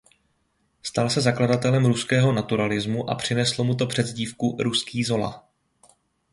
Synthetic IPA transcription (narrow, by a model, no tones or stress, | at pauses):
st̪alsɛzakladat̪ɛlɛmɾuskɛːɦo̞nat̪uɾalɪzmuʔa̰pr̝̥ɪnɛslo̞mut̪o̞pr̝̥ɛd̪zɟiːfkuɾuskiːzo̞la̰